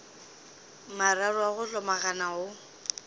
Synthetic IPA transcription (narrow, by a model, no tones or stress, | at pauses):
mararwaɣʊɬɔmaɣanaʊ